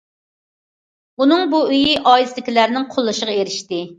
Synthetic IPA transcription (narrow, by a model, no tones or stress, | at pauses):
unɨŋbuyjiʔɑːjisɪlɪkʲilæɾnɪŋqʰʊlˠːɨʃəʁɑeɾɪʃt̪ɪ